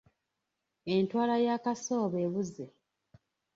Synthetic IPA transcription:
entwaːlajaːkaso̞ːβe̞ːβuze

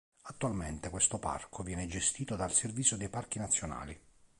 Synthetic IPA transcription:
at̪ːualment̪ekwest̪opa̰rkʰovjɛːned͡ʒest̪iːt̪od̪alservit̪sːjod̪ejpark̟inat̪sːjona̰ːli

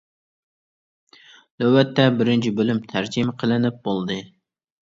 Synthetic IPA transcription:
løwːɛt̪ːɛbɪɾɪnt͡ʃʰibølymt̪ʰæɾd͡ʒɪmqʰəlˠɪnɪp̚bolˠd̪ɨ

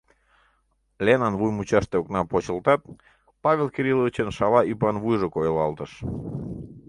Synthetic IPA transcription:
lʲenɑnvujmut͡ɕɑʃt̪eoknɑpot͡ɕəlˠt̪ɑt̪̚ | pɑβʲelkeɾilˠovʲit͡ɕənʃɑlɑipɑnβujʒokojelɑlt̪əʃ

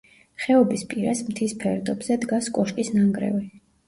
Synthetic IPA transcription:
χɛɔbispʼiɾasmt̪ʰispʰɛɾd̪ɔbz̥ɛd̪ɡaskʼɔʃkʼisnaŋɡɾɛ̰vi

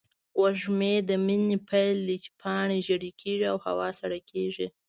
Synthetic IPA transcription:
waʒmed̪əminipʰajld̪it͡ʃpʰɑɳeʒaɽikʰeʐiawha̰wɑsaɽakʰeʐi

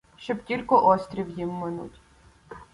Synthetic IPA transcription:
ʃt͡ʃɔbtʲilʲkɔʔɔsʲt̪ʲɾʲiwjimːɪnṵtʲ

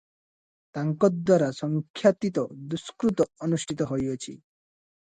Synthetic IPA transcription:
t̪aŋkɔd̪waɾasɔŋkʰjat̪it̪ɔd̪uskɾut̪ɔɔnusʈʰit̪ɔɦɔjɔt͡ʃʰḭ

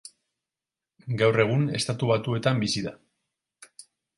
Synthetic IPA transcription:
ɡawre̞ɣ̞une̞st̪at̪uβ̞at̪ue̞t̪ambisiða

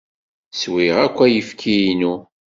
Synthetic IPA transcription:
swiʁækʷːæjəfkʰijinu

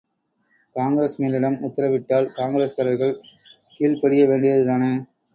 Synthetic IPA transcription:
kaːŋɡɪɾeːsmeːlɪɽɐmʊt̪ːɐɾɐʋɪʈːaːlkaːŋɡɪɾeːskɐɾɐɾɣɐɭ | kiːɭpɐɽɪjɐʋeːɳɖɪjɐðɯt̪aːne

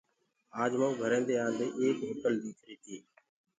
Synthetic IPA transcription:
aːd͡ʒmãːũːbʱəɾẽːnd̪eːaːnd̪eːʔeːkʋəkəld̪iːt͡ʃʰɾiːt̪ʰiː

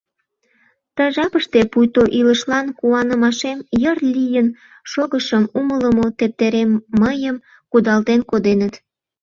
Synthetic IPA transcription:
t̪əʒɑpəʃt̪epujt̪oʔiləʃlɑnkuɑnəmɑʃemjərlʲijən | ʃoɣəʃəmumələmot̪ep̚t̪eɾemːəjəm | kud̪ɑlt̪enkod̪enət̪

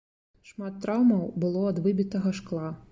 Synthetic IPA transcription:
ʂmat̪ːɾawmɐwbɨlˠɔɐd̪vɨbʲit̪ɐɣɐʂklˠa

